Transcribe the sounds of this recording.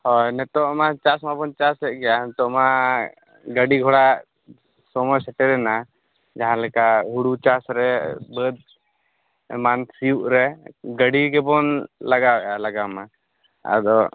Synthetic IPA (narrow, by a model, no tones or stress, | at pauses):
hɔjnɛt̪ɔʔmãt͡ʃasmabɔnt͡ʃasɛʔɡɛjanɛt̪ɔʔma | ɡəɖiɡʱɔɽa | sɔmɔsɛʈɛɾɛna | d͡ʒaɦãləkaɦuɽut͡ʃasɾɛbəd̪̚ | mansijuʔɾɛɡəɽikɛbɔnlaɡabɛʔaləɡama | a̰d̪ɔ